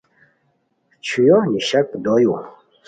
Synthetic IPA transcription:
t͡ɕʰujɔniɕak̚d̪oju

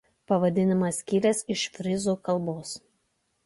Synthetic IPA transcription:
pɐʋɐd̪ʲɪnʲɪmɐsʲkʲilʲɛsɪʃfʲɾʲɪzuːkɐlˠˑboːs

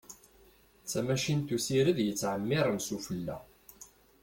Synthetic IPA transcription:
t͡sːæmæʃint̪usiɾəðjət͡sːʕəmːɪɾˤənsufəlːæ̰

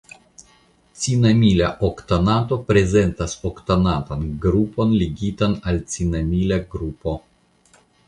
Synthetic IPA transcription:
tt͡sinamilaʔokt̪anato̞pɾe̞ze̞nt̪asokt̪anat̪anɡɾupo̞nliɡitanalt͡sinamilaɡɾupo̞

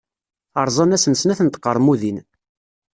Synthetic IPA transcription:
əɾˤzˤɑnæsənsənæθənt̪ə̥qːəɾˤmuðin

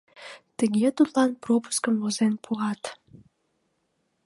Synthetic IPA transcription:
t̪əɣet̪ut̪lɑnpropu̥skəmlozenpʰuʁɑt̪

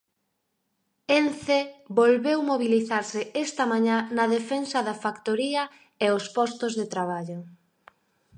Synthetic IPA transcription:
enθebolβewmoβiliθaɾsɪest̪ɐmãɲãnɐðefensɐðɐfakt̪oɾiɐ | eospɔst̪ozðet̪ɾaβ̞aʎʊ

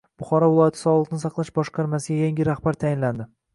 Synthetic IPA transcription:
b̥ʊχɒɾɒvɪlˠɒjat̪ʰɪ̥sɒlˠɨqnɪsɑqlˠaʃbɒʃqʰɑɾmasɪɡʲajaŋɡʲɪɾahbaɾt̪ʰajɪnland̪ɪ

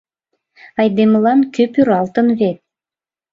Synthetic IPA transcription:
ɑjd̪emlɑnkøpyɾɑlt̪ə̆nβet̪̚

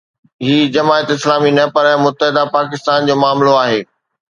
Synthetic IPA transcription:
ɦiːd͡ʑɐmaːət̪ɪslaːminɐpɐɾɛ̃mʊt̪ːəɦɪd̪apaːkɪst̪aːnd͡ʑoːmaːmloaːɦeː

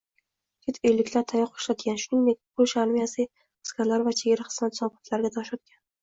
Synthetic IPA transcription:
kʲʰet̪ʰejlɪkʲlaɾt̪ʰajɒqʰːo̥ʃlat̪ɡʲanʃʊnɪŋd̪ek̚ʲpʰoʃaɾmijasɪ | ɨ̥skʲaɾlaɾvat͡ʃʰeɡʲaɾaχɨ̥smat̪sɒbat̪ʰlaɾɡʲat̪ʰaʃat̪̚kʲan

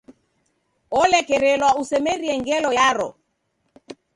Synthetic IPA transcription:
ɔlɛkɛɾɛlwausɛmɛɾiɛŋɡɛlɔjaɾɔ̰

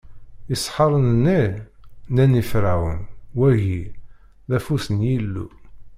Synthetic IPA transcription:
isħɑɾˤənənːi | nænifɾæwə̰nwæʝi | ðæfusənjilːṵ

